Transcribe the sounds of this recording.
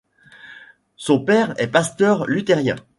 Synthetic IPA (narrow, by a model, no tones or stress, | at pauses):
sɔ̃pɛʁɛpast̪œʁlyt̪ɛʁjɛ̰̃